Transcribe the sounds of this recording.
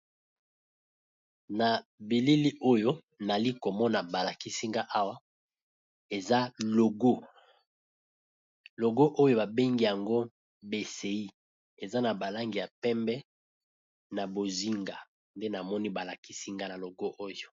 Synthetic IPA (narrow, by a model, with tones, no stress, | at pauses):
na˨bi˨li˦li˦ʔo˦jo˦ | na˨li˦ko˨mɔ˦na˨ba˨la˨ki˦si˦ŋɡa˦ʔa˦wa˦ | e˨za˦lo˨ɡo˦ | lo˨ɡo˦ʔo˦jo˦ba˨be˦ŋɡi˦ja˨ŋɡo˦ | be˨se˨i˦ | e˨za˦na˨ba˨la˦ŋɡi˨ja˨pɛ˦mbɛ˦ | na˨bo˨zi˦ŋɡa˨ | nde˦na˨mɔ˦ni˦ba˨la˨ki˦si˦ŋɡa˦na˨lo˨ɡo˦ʔo˦jo˨